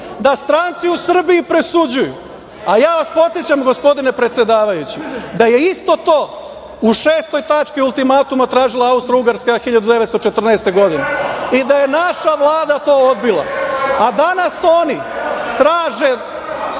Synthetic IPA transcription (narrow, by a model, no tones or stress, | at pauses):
d̪ast̪ɾant̪siusr̩biipɾe̞sud͡ʑujṵ | ajaːʋaspo̞t̪sjet͡ɕamɡo̞spo̞d̪ine̞pɾet̪sʲje̞d̪aːʋajut͡ɕid̪aje̞ist̪o̞t̪o̞ː | uʃeːst̪o̞jt̪at͡ʃkiulˠt̪imat̪umat̪ɾaːʒilˠaaust̪ɾouɡaɾskaxiʎad̪ud̪e̞ʋe̞t̪st̪o̞t͡ʃe̞t̪r̩nɛːst̪e̞ɡo̞d̪ineid̪aje̞naʃaʋlˠaːd̪at̪o̞ːod̪bilˠa̰ad̪anaso̞ːnit̪ɾaːʒe̞